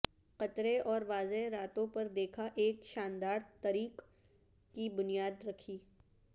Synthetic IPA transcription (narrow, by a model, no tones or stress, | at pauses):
qɐt̪ɾeʔɔːɾʋaːzeɾaːt̪õpɐɾd̪eːkʰaʔeːkʃaːnd̪aːɾt̪ɐɾiːqː | ibʊnijaːd̪ɾɐkʰiː